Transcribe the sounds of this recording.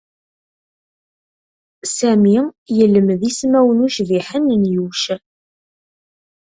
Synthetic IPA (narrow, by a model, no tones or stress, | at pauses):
sæmijəlːəmðismæwənuʃviħənnjuwʃ